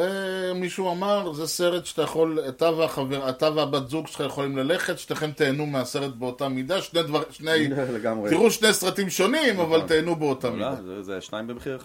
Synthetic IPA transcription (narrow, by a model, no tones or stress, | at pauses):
emiʃuamaʁzese̞ʁet̪ʃt̪ajaχo̞let̪avaχaveʁat̪avabat̪zuɡʃχajeχolimlale̞χet̪ʃteχe̞mt̪eːnumease̞ʁet̪̚beo̞tamid̪aʃned̪vaʁʃnejleɡamʁeiʁuʃne̞jsʁatimʃo̞nimavalt̪eːnubeot̪amid̪azeʃnaimbemeχiʁ